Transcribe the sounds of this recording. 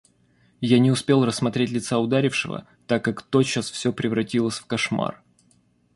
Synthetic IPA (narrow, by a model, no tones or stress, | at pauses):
janʲɪʊspʲe̞lˠrəsːmɐt̪ɾʲetʲlʲɪt̪saʊd̪aɾʲɪfʂɨvə̰ | t̪akːakt̪oɕasfsʲɵpɾʲɪvɾɐtʲilˠəsʲfkɐʂma̰r